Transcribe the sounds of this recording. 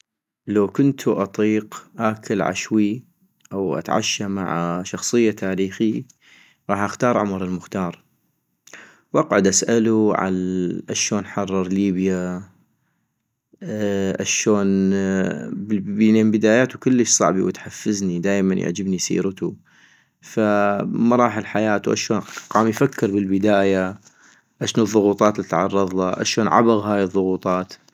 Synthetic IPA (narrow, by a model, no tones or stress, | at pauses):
lawkʊnt̪ʰuʔɑt̪ˤiːqʔaːkʰɪlʕa̰ʃwi | ʔawʔa̰t̪ʕa̰ʃːama̰ʕaʃɑxsˤɨjːat̪ʰaːɾiːxi | ɣɑːħʔaxt̪ɑːɾˤʕʊmɾˤɪlmʊxt̪ɑːɾˤ | wʔɑqʕʊd̪ʔasʔaluʕa̰lʔaʃoːnħɑrˤːɑɾˤliːbja | ʔa̰ʃoːn | blbineːmbɪd̪aːjaːt̪ukɪlːəʃsˤɑ̰ʕbiwɪt̪ħafːɪznid̪aːjmanja̰ʕd͡ʒɪbnijsḭːɾt̪u | famɑɾˤɑːħɪlħajaːt̪uʔa̰ʃoːnqɑːmjfakːɪɾbɪlbɪd̪aːja | ʔaʃnɨðˤːʊɣuːt̪ˤɑːt̪lit̪ʕɑ̰rˤːɑðˤɑʔa̰ʃoːnʕa̰baɣɦaːjɨðˤːʊɣuːt̪ˤɑːt̪